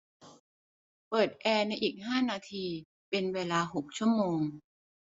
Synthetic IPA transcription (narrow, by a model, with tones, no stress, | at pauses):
pɤː˨˩t̪̚ʔɛː˧na˧jʔiː˨˩k̚ɦaː˥˩naː˧t̪ʰiː˧ | pe˧nweː˧laː˧ɦo˨˩k̚t͡ɕʰu˥˩əmoː˧ŋ